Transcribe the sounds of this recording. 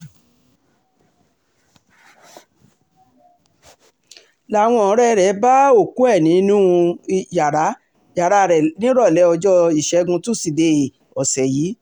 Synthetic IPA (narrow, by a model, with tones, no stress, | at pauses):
la˦˨w̃ɔ̃˧ɔ̃˨˧˦ɾɛ˦˧˦ɾɛ˨˦ba˦o˦˨ku˨˦ɛ˦˨nĩ˨˦nũ˦˧ja˨ɾa˨˦ | ja˨ɾa˧˨ɾɛ˨nĩ˦ɾɔ˦˨lɛ˨˦ɔ˧d͡ʒɔ˦i˨ʃɛ˨˧˦ɡũ˧tu˦˨si˨de˧˨ | ɔ˨sɛ˨ji˨˦